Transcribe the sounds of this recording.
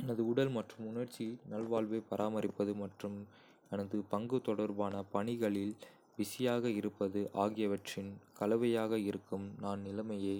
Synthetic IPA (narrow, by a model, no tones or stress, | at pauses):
ɛnɐðɯʊɽɐlmɐʈrɯmʊnɐɾt͡ʃːinɐlʋaːlʋɐɪpɐɾʔaːmɐɾɪpːɐðɯmɐʈrɯm | ɛnɐðɯpɐŋɡɯt̪ɔɽɐɾbaːnɐpɐɳɪɣɐɭɪl | ʋɪsɪjaːɣɐɪɾɯpːɐðɯʔaːɣɪjɐʋɐʈrɪnkɐlɐʋɐjaːɣɐɪɾɯkːɯmnaːnnɪlɐmɐjeː